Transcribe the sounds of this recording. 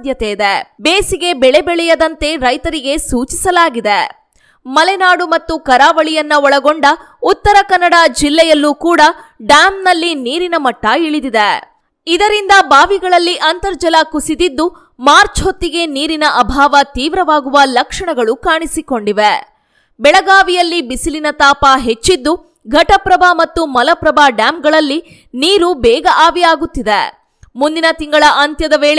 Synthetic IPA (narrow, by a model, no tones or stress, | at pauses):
d̪jɐt̪ejid̪ebeːsiɡe̞bɛɭebɛɭɛjɐd̪ɐnt̪e̞ɾɐjt̪ɐɾiɡe̞suːt͡ʃisɐlaːɡid̪e | mɐlɛnaːɽumɐt̪ːukɐɾaːʋɐɭijɐnːɐɔɭɐɡoɳɖɐ | ut̪ːɐɾɐkɐnːɐɽad͡ʒilːɛjɐlːukuːɽɐɖjaːmnɐlːiniːɾinɐmɐʈːɐiɭid̪id̪e | id̪ɐɾind̪ɐbaːʋiɡɐɭɐlːiʔɐnt̪ɐɾd͡ʒɐlɐkusid̪id̪ːu | maːɾt͡ʃɦo̞t̪ːiɡe̞niːɾinɐʔɐbʱaːʋɐt̪iːʋɾɐʋaːɡuʋɐlɐkʂɐɳɐɡɐɭukaːɳisiko̞ɳɖiʋe | bɛɭɐɡaːʋijɐlːibisilinɐt̪aːpɐɦe̞t͡ʃːid̪ːu | ɡʱɐʈɐpɾɐbaːmɐt̪ːumɐlɐpɾɐbaːɖaːmɡɐɭɐlːi | niːɾubɛːɡɐʔaːʋijaːɡut̪ːid̪e | mund̪inɐt̪iŋɡɐɭɐʔɐnt̪jɐd̪ɐʋeːɭe